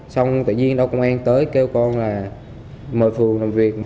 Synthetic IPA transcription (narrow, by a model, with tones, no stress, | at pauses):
sa˧wŋ͡mt̪a̰ː˧˨zi˧əŋɗə˧wkə˧wŋ͡mʔaː˧nt̪əː˨˦jke˧wkɔ˧nlaː˨˩ | məː˨˩jfɨ˨˩əŋlaː˨˩mvi˨˩ək̚